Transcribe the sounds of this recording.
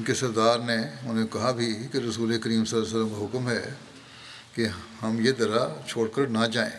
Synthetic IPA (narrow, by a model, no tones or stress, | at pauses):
kesɐɾd̪aːɾneʊnẽkɐɦabʱikeɾɐsuːlekəɾiːmsɐlːas̬əlːəmkaɦʊkmɦɛ | kehɐmjed̪ɐɾat͡ʃʰoːɽkəɾnad͡ʒaːḛ̃ː